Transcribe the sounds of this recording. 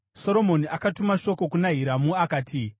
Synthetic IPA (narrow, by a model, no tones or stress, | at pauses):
so̞ɾo̞mo̞niakatumaʃo̞ko̞kunaɦiɾamuakaːti